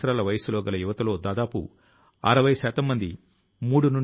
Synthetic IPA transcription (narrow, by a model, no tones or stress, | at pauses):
ɾaːlɐʋɐjɐslɔːɡɐlɐjuʋɐt̪ɐlo̞ːd̪aːd̪aːpṵ | ɐ̰ɾɐʋɐjɐsaːt̪ɐmːɐnd̪i | muːɽunuɳ